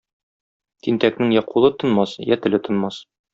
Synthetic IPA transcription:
t̪int̪æknɘŋjɒqulˠɤt̪ŏnmɑsjæt̪ɘ̆lɘt̪ŏnmɑs

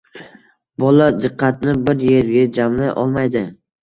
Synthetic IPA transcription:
bɒlad̪ɨqʰːɑt̪nɪbɪɾje̞ɾɡʲad͡ʒamlajʔɒ̰lˠmajd̪ɪ

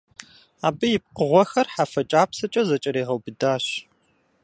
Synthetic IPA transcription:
aːbɨjɪp̚qəʁʷɔxɐrħafɐt͡ʃʼaːpsɐt͡ʃʼɐzɐt͡ʃʼɐɾeːʁɐwbɨdaːɕ

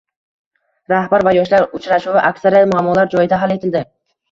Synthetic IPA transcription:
ɾahbaɾvajɒʃlaɾʊt͡ʃʰɾaʃuvɪʔakʲsaɾijat̪mʊamːɒlaɾd͡ʒɒjɪd̪aɦale̞t̪ʰɪld̪ɪ

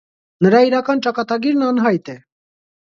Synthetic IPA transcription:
nəɾɑiɾɑkɑnt͡ʃɑkɑt̪ɑɡiɾnɑnɦɑjt̪ɛ

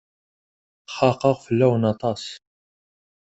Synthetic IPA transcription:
χɑqəʁfəlːæwənɑt̪ˤɑs

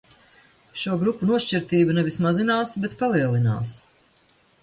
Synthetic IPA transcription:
ʃuɔɡɾupːunuɔʃt͡ʃiɾt̪iːbanɛvismazinaːsbɛt̪palˠiɛlˠina̰ːs

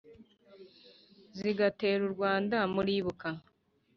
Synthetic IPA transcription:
ziɡate̞ːɾuɾɡwaːndamuɾiːβuka

